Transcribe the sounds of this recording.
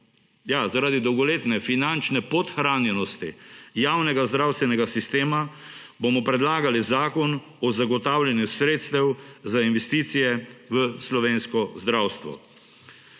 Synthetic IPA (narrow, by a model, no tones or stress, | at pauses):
jazaɾaːd̪id̪ɔwɡɔleːt̪nɛfinant͡ʃnɛpɔt̪xɾaːnjɛnɔst̪ijaːwnɛɡazd̪ɾawst̪ʋɛnɛɡasist̪eːmabomɔpɾɛd̪laːɡalizaːkɔn | ɔzaɡɔt̪aːwljɛnjusɾeːt̪st̪ɛwzainʋɛst̪iːt̪sijɛʋəslɔʋeːnskɔzd̪ɾaːwst̪ʋɔ̰